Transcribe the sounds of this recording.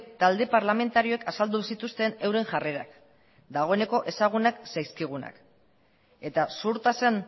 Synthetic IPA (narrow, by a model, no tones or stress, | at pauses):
t̪ald̪e̞paɾlame̞nt̪aɾio̞ekasald̪usit̪ust̪e̞ne̞wɾe̞ŋʝare̞ɾa̰k | d̪aɣ̞o̞ene̞ko̞ʔe̞saɣ̞unaksajskiɣ̞una̰k | e̞t̪asuɾt̪asen